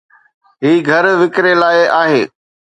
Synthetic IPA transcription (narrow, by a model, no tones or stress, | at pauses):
ɦiːɡʱɐɾʋɪkɾelaːɪʔaːɦeː